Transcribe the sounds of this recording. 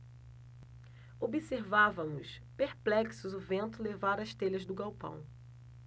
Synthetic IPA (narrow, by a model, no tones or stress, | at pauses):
obiseɾvavɐ̃mʊs | peɾplɛksʊzʊvẽnt̪ʊlevaɾɐʃt̪eʎɐzd̪ʊɡawpɐ̰̃w̃